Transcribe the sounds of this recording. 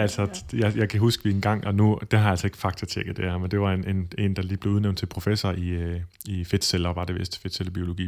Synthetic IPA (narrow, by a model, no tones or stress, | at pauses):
æl̰sɒjɑɪjɑ̈ɪkʰæɦusɡ̥əʋienɡ̥ɑ̈ŋ̰ɒ̽nud̥eɦɑ̈jæl̰sɒ̽e̝ɡ̥fɑ̈ɡ̥̚t͡sʰɐt͡sʰeɡ̥ð̩ˠd̥eɐmend̥e̝ʋɑ̈enene̝̰ːnd̥ɑ̈liːble̝ʊð̩ˠneʊn̥t͡sʰelpʰʁo̝fesɐi | ife̝d̥selɒʋɑ̈d̥eʋesd̥ə̥fe̝d̥seləb̥io̝lo̝ɡ̥ḭː